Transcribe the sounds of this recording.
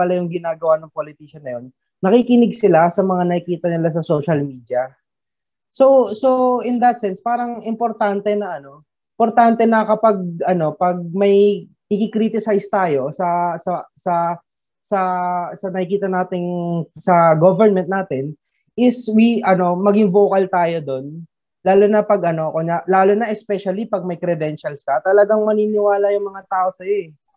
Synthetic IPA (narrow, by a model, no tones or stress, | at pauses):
pɐlajʊŋɡɪnaːɡɐwanɐŋpolɪt̪iʃɐnːɐjo̞nː | ɐkikɪnɪɡsɪlasɐmɐŋanɐkɪkiːt̪ɐnɪlas̬ɐso̞ːʃɐlmiːd̪jɐ | soso̞ʔɪnd̪ɐt̪̚sɛnspaːɾɐŋɪmpoɾt̪ant̪ɛnɐʔɐno̞ | ɪmpo̞ɾt̪ant̪ɛnɐkɐpɐɡ̚ʔɐno̞pɐɡ̚mɐj | ɪkɪkɾiːt̪ɪsajst̪aːjo̞sɐsɐsɐ | sɐsɐnɐkɪkiːt̪ɐnaːt̪ɪŋsɐɡovɛnmɛnt̪naːt̪ɪn | ʔɪswiʔɐno̞mɐɡɪŋvo̞ːkɐlt̪aːjo̞d̪o̞n | laːlonɐpɐɡʔɐno̞ɐkoɲɐlaːlonɐʔɛspɛʃɐlipɐɡ̚mɐjkɾɛd̪ɛnʃɐlsɐt̪ɐlɐɡaŋmɐniːnɪwaːlɐjʊŋmɐŋat̪aːʔo̞sɐjo̞ɛ